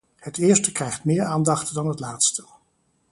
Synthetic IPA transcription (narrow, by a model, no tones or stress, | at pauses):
hətɪːɹstəkrɛjχtmɪːɹaːndɑχtdɑnɦətlaːtstə